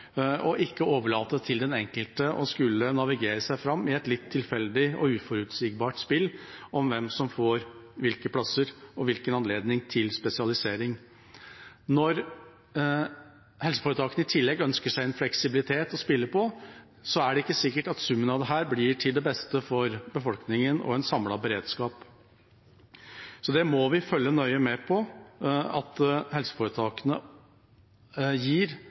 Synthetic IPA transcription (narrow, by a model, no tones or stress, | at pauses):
ɔʔɪkːəoːʋəɭɑːt̪ət̪ʰɪld̪ɛnɛŋkəlt̪əʔɔskʉlːənɑʋɪɡeːɾəsæɪfɾɑmːɪɛt̪lɪt̪ʰːɪlfɛld̪ɪɔ̰ʉːfɔɾʉt̪sɪɡ̚bɑːʈspɪlːʔɔmʋɛmsɔmfoːɾʋɪlkəpʰlɑsəɾɔʋɪlkənɑnleːd̪nɪŋt̪ʰɪlspɛsɪɑlɪseːɾɪŋ | nɔɾ | hɛlsə̥foːɾət̪ɑːkənəɪt̪ʰɪlːɛɡœnskəʂæɪɛnflɛksɪbɪlɪt̪ʰeːt̪ɔspɪlːəpɔ | sɔæɖɛɪkːəsɪkːəʈɑt̪sʉmːənɑd̪ɛɦæːɾblɪʈʰɪld̪ɛbɛst̪əfɔɾbəfɔlknɪŋənʔɔ̰ɛnsɑmlɑbəɾeːd̪skɑːp | sɔd̪ɛmɔʋɪfœljənœʏəmɛpʰɔ | ɑt̪hɛlsə̥foːɾət̪ʰɑːkənə | jiːɾ